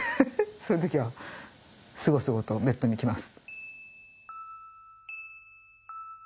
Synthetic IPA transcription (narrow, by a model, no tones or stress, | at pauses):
soːjiɯ̟t̪̬o̞kʲiβa | sɨɡo̞sɨɡo̞t̪o̞be̞t̪ːo̞ɲ̟ikʲimasɨ̥